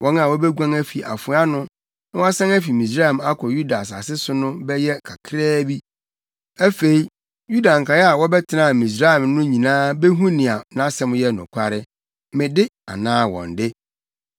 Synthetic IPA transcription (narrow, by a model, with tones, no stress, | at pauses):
wʔɔ̃˨˦n˦ã˨wɔ˦bɛ˦ɡʷã˦ŋæ˦fi˨ʔa˨fʊ˨˦a˦nʊ̃˦ | nã˦wɔ˦a˦sã˦ŋæ˦fi˨mĩ˨s̬ɾa˦˨ɛ˨ma˦kʰɔ˨ju˦da˨sa˨sɪ˦sʊ˦nʊ̃˦bɛ˦jɛ˦kʰa˨kʰɾɛː˦bi˦ | æ˦fe˨i˨˦ | ju˦da˨ŋ̩˨kʰa˨jɛ˦a˨wɔ˦bɛ˦tʰɪ˦nã˨mĩ˨s̬ɾa˦ɛ˨mnʊ̃˦ɲĩ˨nãː˦be˦ɦũ˦nɪ̃˨a˨nã˦sɛ̃˦m˦jɛ˦nʊ̰̃˨kʷʰa˦ɾɪ˦ | mɪ̃˨dɪ˦a̰˨nãː˦wɔ̰̃˨n˨dɪ˦